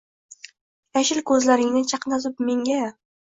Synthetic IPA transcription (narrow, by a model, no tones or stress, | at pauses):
jaʃɪlkʰɵzlaɾɪŋnɪt͡ʃʰɑqnazɪpme̞ŋɡʲa